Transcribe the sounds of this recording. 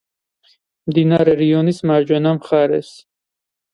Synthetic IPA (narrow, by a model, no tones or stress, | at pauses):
md̪inaɾɛɾiɔnismaɾd͡ʒwɛnamχaɾɛ̰s